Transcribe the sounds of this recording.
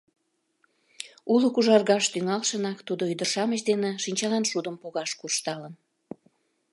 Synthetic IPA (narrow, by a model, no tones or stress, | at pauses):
uləkuʒɑrɣɑʃt̪yŋɑlʃənɑkt̪ud̪oyd̪ərʃɑməɕd̪eneʃinʲt͡ɕɑlɑnʃud̪əmpoɣɑʃkurʃt̪ɑlən